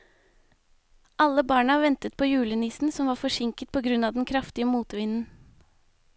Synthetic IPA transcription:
ʔɑlːəbɑːɳəɑʋɛnt̪ət̪̚pʰoːjʉːləniːsn̩sɔmʋɑːɾfɔʂɪŋkət̪̚pʰoːɡɾʉnɑːd̪ɛnkʰɾɑft̪ɪəmuːt̪ʋɪːnən̩

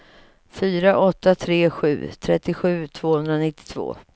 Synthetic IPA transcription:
fyːɾaʔɔt̪ːat̪ʰɾeːɧʉ̟̰ːt̪ʰɾɛt̪ːɪɧʉ̟ːt̪ʰv̥oːhɵnd̪ɾanɪt̪ːɪ̥t̪ʰv̥o̰ː

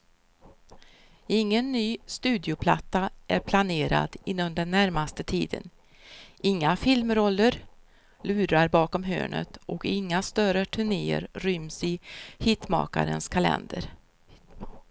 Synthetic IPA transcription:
ɪŋːənːyːst̪ʉ̟ːd̪ɪʊpʰlat̪ːaʔæɾpʰlaneːɾa̰d̪ɪnːɔmd̪ɛnːæɾmast̪ət̪ʰiːd̪ə̰n | ʔɪŋːafɪlmɾɔlːəɾ | lʉ̟ːɾaɾbɑːkɔmɦø̰ːɳə̰t̪ʔɔkɪŋːast̪œɾəʈ̪ʰɵɳeːə̰ɾɾʏmsɪhɪt̪mɑ̰ːka̰ɾə̰nskʰalɛ̰nd̪əɾ

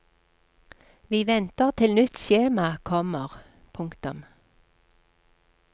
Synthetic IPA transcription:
ʋiːʋɛnt̪əʁt̪ʰɪlnʏt̪ʃeːmɑkʰɔməʁ | pʰʊŋkt̪ʊm

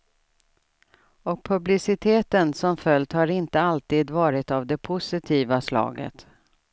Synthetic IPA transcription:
ɔk̚pʰɵblɪsɪt̪ʰeːt̪ənsɔmfœlt̪haɾɪnt̪əalt̪iːd̪vɑːɾɪt̪avd̪ɛpʰʊsɪt̪ʰiːvaslɑ̰ːɡə̰t̪

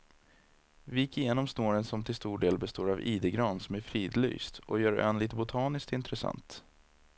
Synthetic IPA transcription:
vɪjɪkːɪjeːnɔmsnoːɾənsɔmt̪ʰɪlst̪uːɖeːlbɛst̪oːɾaviːd̪əɡɾɑːnsɔmæɾfɾiːd̪ly̰ːst̪ʔɔjœːɾɛ̰nliːt̪əbʊt̪ʰɑːnɪskt̪ɪnt̪ɾɛsa̰nt̪

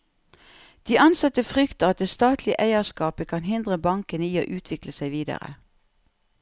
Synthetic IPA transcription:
d̪̥iːʔɑnsɑt̪əfʁʏkt̪əʁɑt̪̚d̪eːst̪ɑːt̪ʰlɪə̰ʔæɪəskɑːpəkʰɑnɦɪnd̪ʁəbɑŋkənəiːo̰ːʔʉːt̪ʰʋɪkləsæɪʋiːd̪ɑ̰ʁə̰

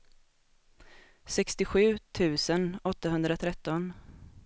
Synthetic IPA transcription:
sɛkst̪ɪɧʉ̟ːt̪ʰʉ̟ːsənɔt̪ːaɦɵnd̪ɾat̪ʰɾɛt̪ːɔn

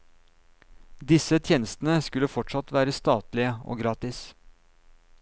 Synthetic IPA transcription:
d̪ɪsət̪ʰjeːnəst̪n̩əskʉləfɔʈʂɑt̪ʋæːɾəst̪ɑːt̪lɪəo̰ːɡɾɑːt̪ɪs

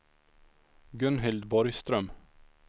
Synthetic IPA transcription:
ɡɵnɦɪld̪bɔɾjst̪ɾœm

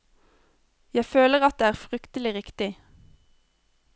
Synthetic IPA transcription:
jæɪføːləʁɑt̪̚d̪eːæːʁfʁʏkt̪əlɪʁɪkt̪ɪ

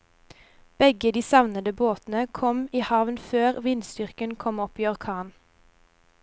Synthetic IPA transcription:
b̥ɛɡəd̪iːsɑʋnəd̪əboːt̪n̩əkʰɔmiːhɑʋnføːʁʋɪnst̪ʏʁkənkʰɔmɔpiːɔʁkʰɑːn

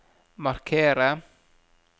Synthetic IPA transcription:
markʰeːɾa

